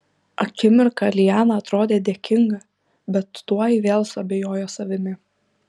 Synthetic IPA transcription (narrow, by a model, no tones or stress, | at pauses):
ɐkʲɪmʲɪɾkɐlʲɪjæːnɐɐt̪ɾoːd̪ʲeːd̪ʲeːkʲɪŋɡɐ | bʲɛt̪ːuɔiʋʲeːlˠsʊɐbʲeːjoːjoːsɐʋʲɪmʲɪ